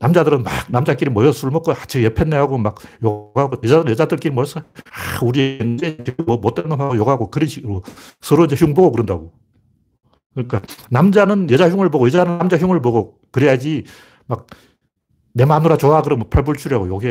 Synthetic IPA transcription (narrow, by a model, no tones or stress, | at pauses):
namd͡ʑadɯɾɯnmaknamd͡ʑak͈iɾimʌjʌs͈ʰuɾɯɭmʌk͈oat͡ɕʰijepʰenːeɦaɡomak̚joɡaɡojʌd͡ʑadɯɾɯnjʌd͡ʑadɯɭk͈iɾimʌjʌs͈ʌuɾid͡ʑet͡ɕemʌmot͈enːɯaojoɡaɡokɯɾiimʌ | sʰʌɾoind͡ʑeçjuŋbʌɡokɯɾɯnda̰ɡo | kɯnik͈anamd͡ʑanɯnjʌd͡ʑaçjuŋɯɭbʌɡojʌd͡ʑanɯnamd͡ʑaçjuŋɯɭbʌɡo | kɯɾejad͡ʑi | mak̚ | ne̞manuɾat͡ɕoakɯɾʌnmwʌpʰaɭbuɭt͡ɕʰuɾjɦaɡojoɡe